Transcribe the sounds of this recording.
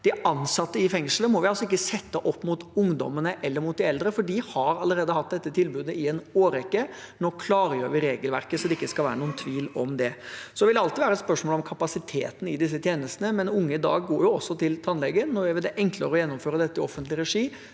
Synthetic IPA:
d̪̥ɪʔɑnsɑt̪ːəɪfɛŋʂləmɔʋɪɑlsɔɪkːəsɛt̪ːəʔɔpːmʊt̪ʊŋd̪ɔ̰mənəʔɛlːəɾmʊt̪̚d̪ɪɛld̪ɾəfɔɖihɑɾɑlːəɾeːd̪əhɑt̪̚d̪ɛt̪ːət̪ʰɪlbʉːd̪əɪɛnoːɾɛkːənoːkʰlɑːɾəjøːɾʋɪɾeːɡəlʋæ̰ɾkəsɔd̪ɛɪkːəskɑʋæːɾənuːənt̪ʰʋiːlɔmd̪ɛsɔd̪ɛʋɪlːɑlt̪ɪʋæːɾəɛt̪spœʂmoːlɔmkʰɑpɑsɪt̪ʰḛːt̪n̩ɪd̪ɪs̬ːət̪ʰjeːnəst̪ənəmɛnʊŋːəɪd̪ɑ̰ːɡːoːɾjʊɔsːɔt̪ɪlt̪ʰɑnlɛɡənːɔɾʋɪæɾʋɪld̪ɛʔɛŋkləɾəɔjɛnːɔmføːɾəd̪ɛt̪ːəɪɔfənt̪lɪɾɛʂiː

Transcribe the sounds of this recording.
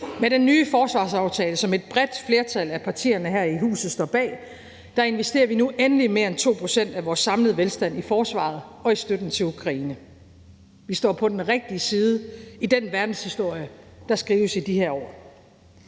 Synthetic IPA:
meɾ̥enːyːfɒːsʋɑ̈ːsɑ̈ʊt͡sʰɛːləsɒ̽me̝d̥̚b̥ʁɛd̥fle̝ɐt͡sʰælæpʰɑ̈t͡sʰḭːɐnəɦæɐ̰iɦṵːsð̩ˠsd̥ɒ̰b̥ɛ̰ː | d̥ɑ̈e̝nʋesd̥e̝̰ːɐʋinuʔenəlime̝ːɐent͡sʰo̝̰ːpʰʁo̝sen̰d̥æʋɒːsːɑ̈mləð̩ˠʋelsd̥æn̰ifɒːsʋɑ̰̈ð̩ˠɒ̽isd̥ød̥n̩t͡sʰe̝lukʰʁɑ̈iːnə | ʋisd̥ɒ̰ːpʰɒ̽d̥enʁeɡ̥̚d̥iəsiːð̞ˠəid̥enʋæɐd̥n̩shisd̥o̝ɐ̰jəd̥ɑ̈sɡ̥ʁiːʊəsid̥iheɐ̰ɒ̰ː

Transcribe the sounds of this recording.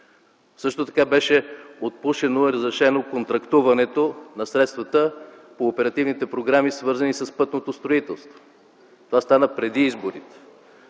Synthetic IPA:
sɤʃt̪ot̪ɐ̥kabɛʃɛot̪̚puʃɛnoiɾəzɾɛʃɛnokont̪ɾɐkt̪uvɐnɛt̪onɐsɾɛt̪st̪vət̪ə | poːpɛɾɐt̪ivnit̪ɛpɾoɡɾamisvɤɾzənisɐspɤt̪not̪ost̪ɾoit̪ɛlˠst̪vo̥ | t̪ovast̪anəpɾɛd̪iizboɾit̪ɛ̥

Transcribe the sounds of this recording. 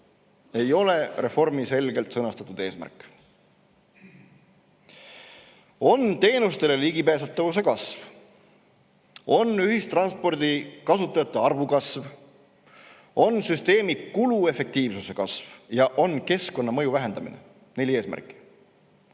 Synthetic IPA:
e̞jo̞le̞re̞fo̞rmise̞lɡe̞lt̪sɤnɑst̪ɑt̪ːˑud̪̥e̞ːsmæ̰rkːˑ | o̞nt̪e̞ːnust̪e̞le̞liɡipeːs̬ɑt̪ːˑɑvus̬e̞kɑsv | o̞nyɦist̪rɑnspo̞rd̪̥ikɑsut̪ːˑɑjɑt̪ˑːeɑrvukɑsv | o̞nsyst̪e̞ːmikulue̞fe̞k̚t̪iːvsuse̞kɑsv̥jɑʔo̞nke̞sko̞nːɑmɤ̞juvæɦe̞nd̪̥ɑmḭne | nelie̞ːsmæ̰rkːˑi̥

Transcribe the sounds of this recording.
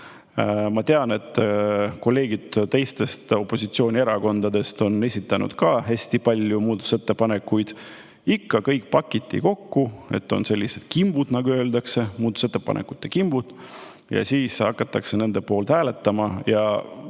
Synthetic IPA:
mɑt̪e̞ɑne̞t̪ːˑko̞lːe̞ːɡ̥id̪̥t̪e̞jst̪e̞st̪o̞pːˑo̞sit̪sio̞ːnʲieɾɑko̞nd̪̥ɑd̪e̞st̪o̞ne̞sʲit̪ːˑɑnṵd̪̥kɑɦæsʲt̪ipɑlʲjumuːd̪t̪u̥set̪ːe̞pɑne̞kːujd̪̥ | ikːɑkɤjk̚ˑpɑkːˑit̪ːˑḭko̞kːue̞̰t̪ːo̞̰nse̞lʲːise̞d̪̥kimb̥ud̪̥nɑɡ̥uø̞ːld̪̥ɑkse̞muːd̪uset̪ˑːepɑ̰nʔḛkːˑut̪ːˑekimb̥ud̪̥ | jɑ̰siːsɑkːˑɑt̪ːˑɑkse̞ne̞nd̪̥epo̞ːlt̪hæːle̞t̪ːˑɑmɑjɑ

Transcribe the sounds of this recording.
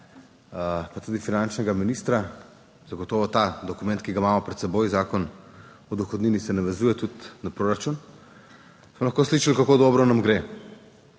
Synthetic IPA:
pat̪ud̪ifinant͡ʃnɛɡaminist̪ɾa | z̥aɡɔt̪ɔːʋɔt̪ad̪ɔkumɛnt̪̚kiɡamaːmɔpɾɛt̪sɛbojzaːkɔn | ɔd̪uxɔd̪niːnisɛnaʋɛzuːjɛt̪ut̪napɾoːɾat͡ʃun | smɔlɐxkosliːʃalkakoːd̪ɔːbɾɔnamɡɾe

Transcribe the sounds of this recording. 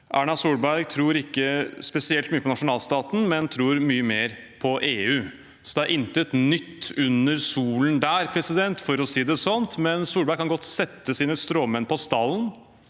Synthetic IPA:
ʔæːɳɑsuːɽbæɾɡt̪ʰɾuːɾɪkːəspɛsɪɛlt̪myːəpʰɔnɑʂʊnɑːlst̪ɑːt̪n̩mɛnt̪ʰɾuːɾmyːəmeːɾ | pʰɔʔeːʉː | sɔd̪ɛæɾʔɪnt̪ət̪nʏt̪ːʉnəɾsuːlnd̪æːɾpʰɾɛsɪd̪ɛnt̪fɔɾɔsiːd̪ɛsɔnt̪mɛnsuːɾbæɾɡkʰɑnɡɔt̪ːsɛt̪ːəsiːnəst̪ɾoːmənpʰɔst̪ɑlːn

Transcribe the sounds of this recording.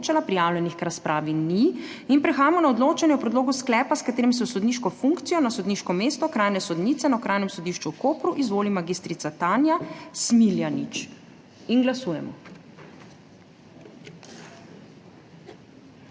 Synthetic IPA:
t͡ʃalapɾijaːwlʲjɛnixkɾaspɾaːʋini | inpɾɛxaːjamɔnaɔd̪loːt͡ʃanjɛwpɾɛd̪loːɡusklɛːpaskat̪eːɾimis̬ɛwsɔd̪niʃkɔfuŋkt̪sijɔnasɔd̪niʃkɔmeːst̪ɔkɾaːjnɛsɔd̪niːt̪sɛnawkɾaːjnɛmsɔd̪iʃt͡ʃukoːpɾuʔizʋoːlimaɡist̪ɾit̪sat̪aːnjasmiljanit͡ʃ | inɡlasuːjɛmɔ̰

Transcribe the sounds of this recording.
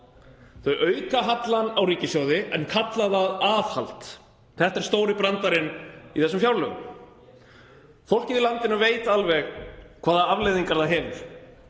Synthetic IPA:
θœjʔœːɥkaɦat̪lanawriːcɪsjɔwðɪʔɛnkʰat̪laθaðaːðha̰lt̪ | θɛht̪ɛɾ̥st̪oːwɾɪpɾant̪aɾɪniθɛsːʏmfjawlœːɣʏm | fowl̥cɪðilant̪ɪnʏveːjt̪alvɛɣkʰvaːðaavlejðiŋkaɾθaɦɛvɪɾ̥

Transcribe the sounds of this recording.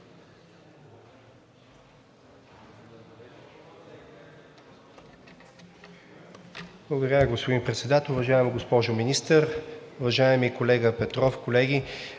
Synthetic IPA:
b̥lˠɐɡʊd̪əɾʲəɡospod̪inpɾɛt̪sɛd̪at̪ɛlˠʊvɐʒaɛmɡospɔʒʊminist̪əɾʊvɐʒaɛmikolɛɡəpɛt̪ɾɔfkolɛɡi

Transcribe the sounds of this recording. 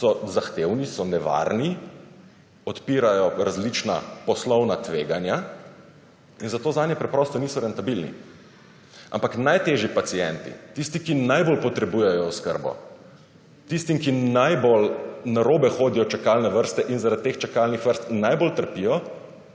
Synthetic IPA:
sɔzaxt̪ewnisɔnɛʋa̰ɾni | ɔt̪piːɾajɔɾazlit͡ʃna̰pɔslɔwnat̪ʋeːɡanja | inzat̪oːzaːnjɛpɾɛpɾɔːst̪ɔniːsɔɾɛnt̪abilnḭ | a̰mpaknajt̪eʒipat̪sijɛnt̪ḭt̪ist̪ikinajbolpɔt̪ɾɛbujɛjɔɔskə̰ɾbɔ̰ | t̪ist̪imkinajbolnaɾoːbɛxoːd̪ijɔt͡ʃɛkalnɛʋəɾst̪ɛʔinzaɾat̪̚t̪eːxt͡ʃɛkalnixʋəɾst̪najbolt̪əɾpijɔ

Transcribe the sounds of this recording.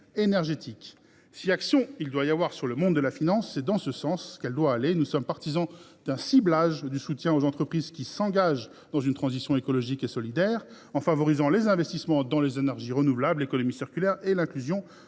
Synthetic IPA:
enɛʁʒet̪ʰik | siaksjɔ̃ild̪wajavwaʁsyʁləmɔ̃d̪d̪əlafinɑ̃sːɛd̪ɑ̃səsɑ̃skɛld̪waːlenusɔmpaʁt̪izɑ̃d̪̥ɛ̃siblaʒd̪ysut̪jɛ̃ozɑ̃t̪χəpχizkʲisɑ̃ɡaʒ | d̪ɑ̃zynt̪χɑ̃zisjɔ̃ekɔlɔʒikesɔlid̪ɛːʁ | ɑ̃favɔʁizɑ̃lezɛ̃vɛst̪ismɑ̃d̪ɑ̃lezenɛʁʒiʁənuvlablekɔnɔmisiʁkʲylɛʁelɛ̃klyzjɔ̃

